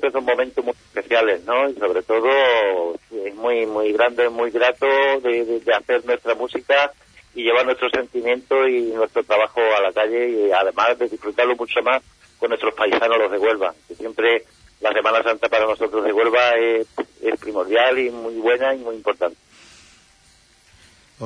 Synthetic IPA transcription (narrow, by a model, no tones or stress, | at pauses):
mpɾesommomẽnt̪omue̥pe̞θjale̞zno̞iso̞βɾe̞t̪o̞ð̞ose̞ɦmuimwuiɣɾand̪eemwiɣɾat̪oðeðed̪eaθe̞ɾnwe̞st̪ɾamusika | iʎe̞βaɾnwe̞st̪ɾose̞nt̪imjẽ̞nt̪oinwe̞st̪ɾot̪ɾaβaxoalakaʎe̞iaðe̞mazðe̞ðifɾut̪aɾlomut͡ʃomas | konːwest̪ɾospaisanolo̞ɦðe̞ɣwe̞lβakesje̞mpɾe | lase̞mãnasant̪apaɾano̞so̞t̪ɾoɦðe̞ɣwe̞lβaeespɾimo̞ɾðjalimwuiβwe̞naimiimpo̞ɾt̪ant̪e